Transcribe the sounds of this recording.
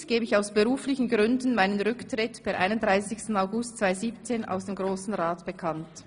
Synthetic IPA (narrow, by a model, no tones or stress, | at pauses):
ɡ̥eːbəɪçaʊsb̥eʁuːflɪçn̩ɡʁʏndn̩maɪnənʁʏktʁ̥ɪtb̥aʔa̰ɪnʊntd̥ʁaɪsɪçstn̩aʊɡʊstt͡sv̥aɪziːpt͡seːna̰ʊsd̥eːmɡʁoːsn̩ʁaːtb̥ekʰant